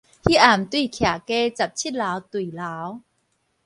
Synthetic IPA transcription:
hi˦˥ʔa˨˩m˨t̪wi˥˩kʰja˨˩ke˦t͡sa˨˩p̚t͡ɕʰi˥˩t̚la˨˦wt̪wi˨˩la˨˦w

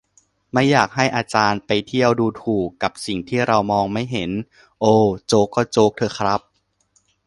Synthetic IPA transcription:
ma˥˩jːaː˨˩k̚ɦa˥˩jʔaː˧t͡ɕaː˧npa˧jt̪ʰi˥˩əwduː˧t̪ʰuː˨˩kːa˨˩p̚si˨˩ŋt̪ʰiː˥˩ɾa˧wmɔː˧ŋma˥˩jɦe˩˦n | ʔoː˧˩t͡ɕoː˦˥kːɔː˥˩t͡ɕoː˦˥k̚t̪ʰɤː˧kʰɾa˦˥p̚

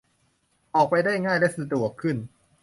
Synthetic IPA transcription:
ʔɔː˨˩k̚pa˧jdaː˥˩jŋaː˥˩jlɛ˦˥sɯ˧t̪u˨˩ɐkʰɯ˥˩n

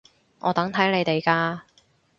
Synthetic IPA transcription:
ŋʔɔː˨˧t̪ɐ˨˥ŋt̪ʰɐ˨˥jne˨˧jt̪e˨jkaː˧

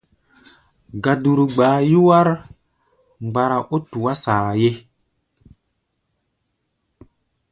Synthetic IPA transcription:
ɡa˨du˨ɾu˨ɡ͡baː˨˦ju˦wa˦ɾ | ŋ͡mɡ͡ba˨ɾa˨ʔo˦tu˨wa˦saː˨je˦

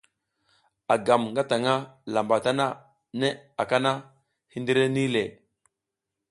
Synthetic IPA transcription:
a˨ɡa˨mŋɡa˦ta˨ŋa˦la˨mba˨ta˦na˦ | ne˦a˨ka˦na˦ | hi˦ndi˦ɾe˦ni˦le˨

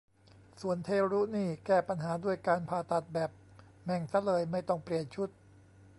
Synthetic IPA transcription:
su˨˩ənt̪ʰeː˧ɾuː˦˥niː˥˩kɛː˥˩pa˧nɦaː˩˦du˥˩əjkaː˧npʰaː˧˩t̪a˨˩t̪̚bɛː˨˩p̚ | mɛ˨˩ŋsa˧˥lɤː˧jma˥˩jt̪ɔ˥˩ŋpli˨˩ənt͡ɕʰu˦˥t̪̚

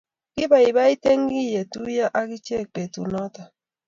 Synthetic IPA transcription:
ki˦ba˨i˨βa˦i˦te˦ŋ˦ɡi˦˨je˨tu˦ja˦ʔa˦ki˦t͡ʃe˦˨k͡pe˨tṵ˨nɔ˦ta˨

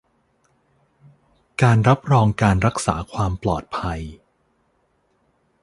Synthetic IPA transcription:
kaː˧nɾa˦˥p̚ɾɔː˧ŋkaː˧nɾa˦˥k̚sa̰ː˩˦kʰwaː˧mplɔ̰ː˨˩t̪̚pʰa˧j

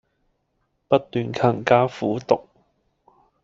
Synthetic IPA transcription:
pɐ˥t̚t̪yː˨nkʰɐ˨˩ŋkaː˥fṵː˨˥t̪ʊ˨k̚

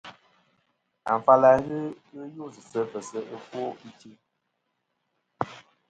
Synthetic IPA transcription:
a̰˨ɱ˨fa˦la˨˦ɣɨ˦ɣɨ˦jo˦˨zɨ˨sə˦pə˨sə˦ʔə˦fo˦i˦ti˦

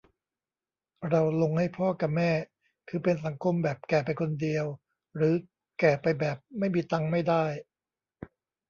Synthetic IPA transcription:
ɾa˧wlo˧ŋha˥˩jpʰɔː˥˩ka˨˩mɛː˥˩ | kʰɯː˧pe˧ns̬a˩˦ŋkʰo˧mbɛː˨˩p̚kɛː˨˩pa˧jkʰo˧ndi˧əw | ɾɯː˩˦ | kɛː˨˩pa˧jbɛː˨˩p̚ma˥˩jmiː˧t̪a˧ŋma˥˩jdaː˥˩j

